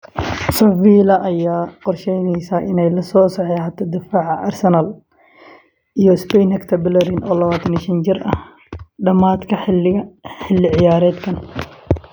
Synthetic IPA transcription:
sɐfiːlɐʔɐjaːqɔrʃɛjnɛjsaːʔɪnɛjlɐsɔːsɐħɛhat̪ʰɔd̪ɪfaːʕɑʔɐrsɛnɐl | ʔijɔɪspɛjnhɐkt̪ʰɐbɪlɐɾɪnʔɔːlɐβaːt̪ʰɐnɪʃɐnd͡ʒɪrɐ̰h | ɖɐmaːd̪kʰɐ | ħɪlːɪʕɪjaːɾɛːd̪kʰɐn

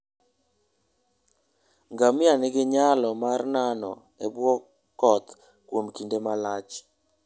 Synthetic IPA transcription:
ŋɡamɪanɪɡɪɲalɔmarnanɔ̰ | ebwɔ | kɔt̪ | kwomkindemalat͡ʃ

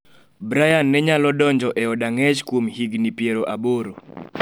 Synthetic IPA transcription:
bɾajanːɛɲalɔdɔɲd͡ʒɔʔɛɔdaŋɛt͡ʃkwomhiɡnipjeɾoʔaboɾo

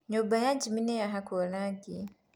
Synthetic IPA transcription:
ɲobajad͡ʒiminejaɦakʰolaɡi

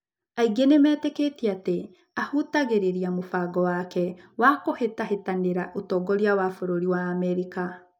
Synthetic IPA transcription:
aiɡenemɛːteketiate | ahutaɣeɾeɾiamofaɡɔwakɛwakohetahetaneɾaʔotɔɡɔɾiawafoɾoɾiwaːmɛɾika

